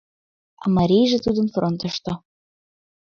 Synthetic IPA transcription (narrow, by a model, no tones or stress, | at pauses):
ɑ̰mɑɾʲijʒĕt̪ud̪ɤ̆nfront̪ɤ̆ʃt̪ɤ̆